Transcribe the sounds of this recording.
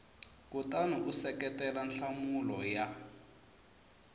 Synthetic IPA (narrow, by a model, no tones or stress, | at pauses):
kutanuʔusɛkɛtɛlanɬamulɔja